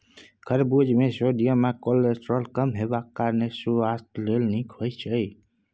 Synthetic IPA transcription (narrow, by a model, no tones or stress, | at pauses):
kʰəɾbud͡ʒmesoɖijamakolesʈɾəlkəmɦebakːaɾnesuast̪lelnikʰojt͡ʃʰəj